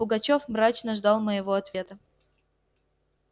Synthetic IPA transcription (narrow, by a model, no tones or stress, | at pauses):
ʊɡɐt͡ɕofmɾat͡ɕnəʐd̪ɑlˠməjɪvoɐt̪vʲe̞t̪ə